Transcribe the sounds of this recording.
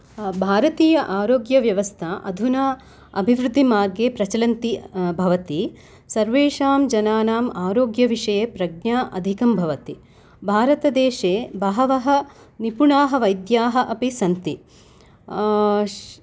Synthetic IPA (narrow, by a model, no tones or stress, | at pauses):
bʱaːɾɐt̪iːjɐʔaːɾoːɡjɐʋjɐʋɐst̪ʰɐʔɐ̰d̪ʱuna | ɐbʱiʋɾud̪ʱːimaːɾɡeːpɾɐt͡ʃɐlɐnt̪ibʱɐʋɐt̪i | sɐɾʋeːʂaːmd͡ʒɐnaːnaːmaːɾoːɡjɐʋiʂɐjeːpɾɐɡ̚njaːʔɐ̰d̪ʱikɐmbʱɐʋɐt̪i | bʱaːɾɐt̪ɐd̪eːʃeːbɐɦɐʋɐɦɐ | nipuɳaːɦɐ̆ʋɐjd̪jaːɦɐʔɐpisɐnt̪i